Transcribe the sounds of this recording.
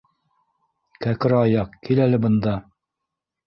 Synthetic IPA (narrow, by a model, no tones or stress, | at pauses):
kækɘ̆ɾɑjɑqkilælɘbɤ̆nd̪ɑ